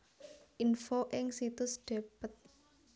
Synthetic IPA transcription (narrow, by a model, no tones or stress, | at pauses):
ʔinfoʔɪŋsit̪ʊsd̥e̤pət̪̚